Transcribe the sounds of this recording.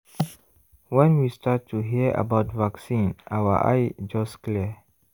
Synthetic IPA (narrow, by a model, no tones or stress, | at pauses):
wɛ̃nwistatʰːuɦiəʔa̰baʊtvaksĩnawə̰ʔa̰jd͡ʒɔskliə